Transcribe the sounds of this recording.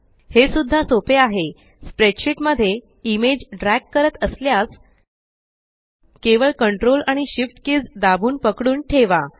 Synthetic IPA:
hesud̪ʱːasopeaɦe | spɾeʈɕiʈməd̪ʱːje | imed͡ʑɖɾækːəɾət̪əsljas | keʋəɭkəɳʈɾolaɽ̃iɕifʈkiːd͡zd̪abʱuːnpəkɽuːnʈʰeʋa

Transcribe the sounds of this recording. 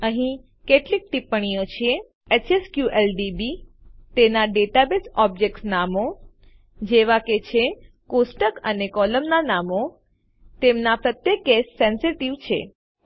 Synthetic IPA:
əɦĩ | keʈlik̚ʈ̪ipəɳ̃ijot͡ʃʰie | et͡ʃeskjuʔelɖibi | t̪enaɖeʈabesɔb̚d͡ʒek̚ʈsnamo | d͡ʒeʋaket͡ʃʰe | kosʈəkənekɔləmnanamo | t̪emnapɾət̪jəkːesːɛnsiʈiʋt͡ʃʰe

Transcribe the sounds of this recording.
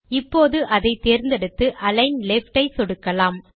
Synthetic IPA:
ɪpːoːðɯʔɐðɐɪt̪ːeːɾnd̪ɛɽɯt̪ːɯʔʔɐlɐɪnlɛfʈɐɪsɔɽɯkːɐlaːm

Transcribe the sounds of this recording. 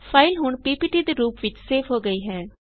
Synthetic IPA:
pʰaːɪlɦʊɳpiːpiːʈiːd̪eːɾuːpʋɪt͡ʃseːpʰɦoːɡəiːɦɛː

